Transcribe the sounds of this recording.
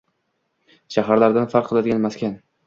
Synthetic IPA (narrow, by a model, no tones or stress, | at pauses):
ʃaɦaɾlaɾd̪anfaɾqʰːɨlˠad̪ɪɡʲanmaskʲan